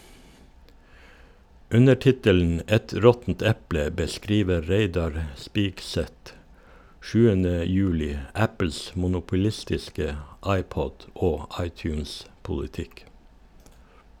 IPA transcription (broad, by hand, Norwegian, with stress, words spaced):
ˈʉnə ˈʈɪtəln̩ ˈɛt ˈɾɔtn̩t ˈɛplə bəˈskɾiːʋə ˈɾeɪdɑɾ ˈspiːkˌsɛt ˈʃʉːənə ˈjʉːlɪ ˈæpl̩s mʊnʊpʊˈlɪstɪskə ˈɑɪˌpɔd ˈoː ˈɑɪˌtjʉːnspʊlɪˌtɪk